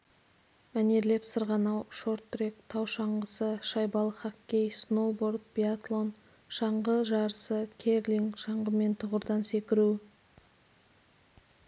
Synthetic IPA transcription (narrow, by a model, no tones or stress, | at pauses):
mæne̞ɾle̞psəɾʁɑnɑwʃo̞ɾt̪ːrekt̪ʰɑwʃɑɴʁəsəʃɑjbɑlˠəχakʲːejsnoboɾd̪̚bʲiat̪lˠo̞n | ʃɑɴʁəʒɑɾəsəkʲʰerlʲiŋʃɑɴʁəme̞nt̪ʰʊʁəɾd̪ɑnse̞kʲɪɾu